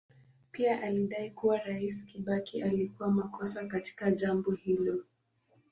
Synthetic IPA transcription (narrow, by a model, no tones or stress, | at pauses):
piaʔaliɗaikuwaɾaiskiɓakialikuwamakɔsakati̥kaʄambɔhilɔ